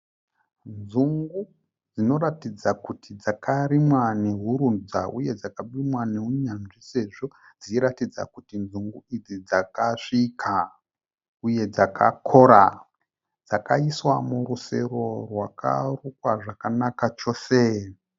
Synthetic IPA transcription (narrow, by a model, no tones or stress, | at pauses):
nzuŋɡu | d͡zino̞ɾatid͡zakutʰid͡zakʰaɾimwane̞ɦuɾund͡zaʔuje̞d͡zakaɓimwaneɦuɲanʐise̞ʐo̞ | d͡ziɾatid͡za̰kutinzuŋɡuid͡zid͡zakaʂikʰa | uje̞d͡zakʰa̰kʰo̞ɾa | d͡zakaiswamuɾuse̞ɾo̞rwaka̰rukwaʐakanakat͡ʃo̞ːse